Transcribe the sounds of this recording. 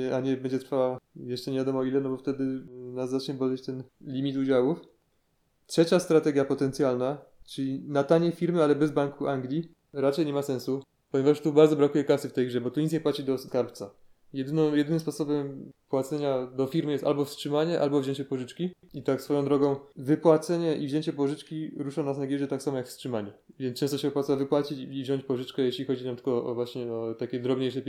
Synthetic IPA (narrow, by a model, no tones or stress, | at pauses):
aɲɛbɛɲd͡ʑɛt̪ɾfawajɛʂt͡ʂɛɲevʲjad̪ɔmɔilɛnɔbɔft̪ɛd̪ɘnaszːat͡ʂɲɛbɔd̪lɛt͡ɕt̪ɛnlʲimʲit̪ud͡ʑawuf | tʂɛt͡ɕast̪ɾat̪ɛɡʲjapɔt̪ɛnt̪sʲjalnat͡ʂɘlʲinat̪aɲɛfʲiɾmɘalɛbɛzbaŋkuʔaŋɡlʲi | ɾat͡ʂɛjɲɛmasɛ̃ñsu | pɔɲevaʂt̪ubaɾd̪zɔbɾakujɛkasɘft̪ɛjɡʐɛbɔt̪uɲit̪ɲɛpwat͡ɕid̪ɔskaɾpt̪sa | jɛd̪ɘnɔ̃jɛd̪ɘnɘmspɔsɔbɛmpwat̪sɛɲad̪ɔfʲiɾmjɛst̪a̰lbɔfstʂɘmaɲɛʔa̰lbɔvʑeɲt͡ɕɛpɔʐɘt͡ʂkʲiit̪aksfɔjɔ̃d̪ɾɔɡɔ̃w̃vɘpwat̪sɛɲɛʔivʑeɲt͡ɕɛpɔʐɘt͡ʂkʲiɾuʂanasaɡjiʐɛt̪aksamɔjakfstʂɘmaɲavʲjɛnt͡ʂɛ̃st̪ɔɕɛvɨpwat̪savɘpwat͡ɕit͡ɕivʑɔɲt͡ɕpɔʐɘt͡ʂkɛjeɕlʲixɔd͡ʑit̪amt̪ɘ̥kɔʔɔvwaɕɲɛɔt̪akʲɛd̪ɾɔbɲejʂɛpʲ